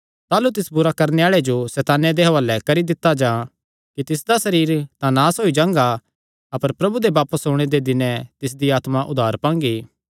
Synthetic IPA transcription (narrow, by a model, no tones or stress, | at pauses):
t̪aːlut̪ɪsbʊɾakɐɾneaːɭed͡ʒosɛːt̪aːned̪eːɦʋaːlɛkɐɾid̪ɪt̪ːad͡ʒãː | kit̪ɪsd̪asɐɾiːɾt̪ãnaːsɦoːid͡ʒãːŋɡa | ɐpəɾpɾɐbud̪ebaːpəsoːɽ̃ed̪ed̪ɪnɛ̃t̪ɪs̬d̪iaːt̪maʔʊd̪ʱaːɾpãːŋ̆ɡiː